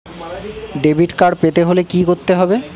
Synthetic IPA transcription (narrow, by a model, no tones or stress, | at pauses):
ɖebʱiʈkaɾpet̪eɦolekikoɾt̪ːeɦɔbe